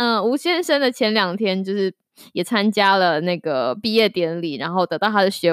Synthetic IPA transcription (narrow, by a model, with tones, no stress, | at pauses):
ə˥˩u˧˥ɕjɛ˥nʂə˥nd̪ə˨t͡ɕʰjɛ˧˥nljɑ˨˩ŋt̪ʰjɛ˥nt͡ɕjo˥˧ʊʂɻ̩˥˩ | jɛ˨˩t͡sʰa˥nt͡ɕja˥lə˨na˥˩ɡə˩pi˥˧jɛ˥˩t̪jɛ˧˥nli˨˩˦ɻa˧˥nxo˥˩ʊt̪ɤ˧˥t̪ɑ˥˩ʊt̪ʰa˥d̪ə˨ɕɥɛ˧˥